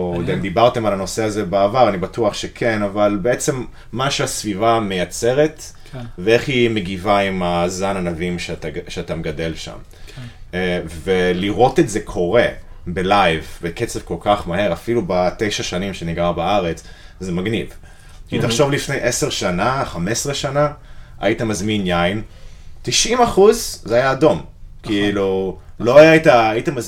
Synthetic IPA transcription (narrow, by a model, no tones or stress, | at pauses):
od̪emd̪ibaʁt̪e̞malano̞seazebaːvaʁanibatuaχʃekʰe̞navalbeet͡se̞mː | aʃeasvivame̞jat͡se̞ʁet̪ | veeχhimeɡivaimazananavimʃetaʃeatameɡad̪e̞lʃa̰m | veliʁo̞tetzekʰo̞ʁe̞ | be̞lajvbeket͡sev̥ko̞lkaχmahe̞ʁafilubate̞jʃaʃanimʃeniɡʁabaaʁet͡s | zemaɡniv | kitaχʃo̞vlifne̞jʔeseʁʃanaχame̞sʁeʃanaʔa̰itamazminjajntiʃʔimaχuzzeajaːdo̞mkiilulo̞aaitaːitamaz